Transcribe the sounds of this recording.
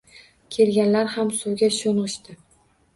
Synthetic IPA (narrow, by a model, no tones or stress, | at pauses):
kʲʰe̞lɡʲanlaɾhamsʊwɡʲaʃonʁɨʃt̪ɪ